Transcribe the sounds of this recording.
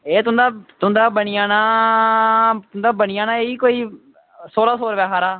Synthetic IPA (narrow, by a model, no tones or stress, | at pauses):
eːt̪ʊ̃nd̪aːt̪ʊnd̪aːbəɳɪjaːnaː | t̪ʊnd̪aːbəɳɪjaːnaːeiːkoːiː | soːlaːsoːɾʋɛːɦaːɾaː